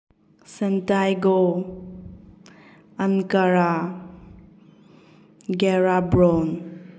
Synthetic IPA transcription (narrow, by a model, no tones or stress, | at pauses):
səntajɡo | ənkaɾa | ɡɛɾabɾon